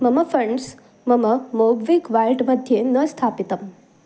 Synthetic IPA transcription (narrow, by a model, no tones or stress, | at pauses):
məməfəɳɖs | məməmoɡʋikʋajʈməd̪ʱjenəst̪ʰapit̪əm